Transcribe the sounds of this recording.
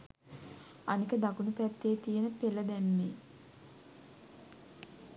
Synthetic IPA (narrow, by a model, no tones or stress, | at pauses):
anikəd̪akunupæt̪ːeːt̪ijənəpeləd̪æmːe